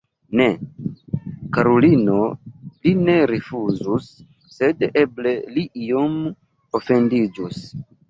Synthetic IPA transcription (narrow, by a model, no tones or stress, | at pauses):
ne̞ | kaɾolino̞line̞ɾefuzusː | e̞de̞ble̞liʔiom | ofe̞ndid͡ʒus